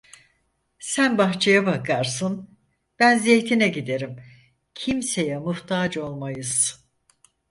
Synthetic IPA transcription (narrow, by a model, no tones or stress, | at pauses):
sænbaxt͡ʃʰajabakʰaɾsɯn | b̥ænzejt̪ʰinɛɟid̪e̞ɾim | cʰimse̞jɛmuht̪ʰaːd͡ʒo̞lˠmajɯz̥